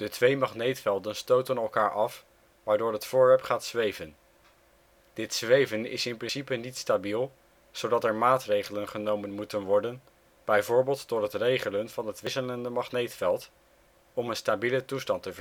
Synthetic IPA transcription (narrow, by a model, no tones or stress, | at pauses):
d̥ətʋejmɑχnejtfɛlˠdənstowtənɛlˠkaːɹʔɑf | ʋaːɹdʊːɹɦətfʊːɹʋɛɹpχaːtsʋejvən | d̥ɪtsʋejvənɪ̰sɪnprɪnsipənitstabilˠ | z̥owdɑtɛɹmaːtrejχələnχənowmənmutənʋɔɹdən | b̥ɛjvʊːɹbɪːlˠtdɔɹɦətrejχələnv̥ɑnɦətʋɪsələndəmɑχnejtfɛlˠt | ɔmənstabilətustɑntəvə